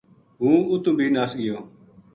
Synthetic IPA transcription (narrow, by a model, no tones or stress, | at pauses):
ɦũːʊt̪ũːbʱiːnaːsɡɪjoː